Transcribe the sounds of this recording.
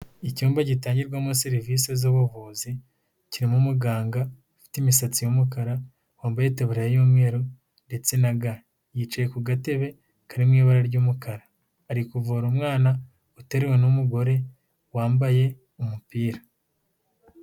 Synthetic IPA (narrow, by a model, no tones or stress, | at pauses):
icuːmbaɟitaːɲɟiɾɡwamuseɾiviːse̞zoβuvuzi | ciɾimumuɡaːŋɡa | fi̥timisat͡sijomukaɾa | waːmbajeteβuɾejajoːmŋe̞ːɾo | nde̞t͡se̞naɡa | jiːt͡ʃaje̞kuɡate̞βe̞ | kaɾimŋiːβaɾaɾɟuːmukʰaɾaː | ɾikuvoːɾumŋaːna | ute̞ɾewe̞numuɡo̞ɾe̞ | waːmbaje̞ | umupiːɾa